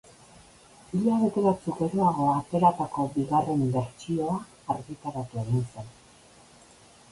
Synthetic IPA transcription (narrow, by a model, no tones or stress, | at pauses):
iʎaβ̞e̞t̪e̞βat͡sukeɾoaɣ̞o̞at̪e̞ɾat̪ako̞biɣare̞mbe̞ɾt͡sio̞aː | ɾɣit̪aɾat̪ue̞ɣinsen